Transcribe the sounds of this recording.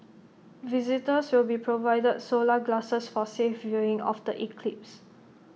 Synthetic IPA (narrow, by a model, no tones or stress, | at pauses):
vizitəswilbipʰɹovajdəd̚solaɡlasəsfɔsefvjuɹĩŋɔ̰fdəʔikʰlip̚s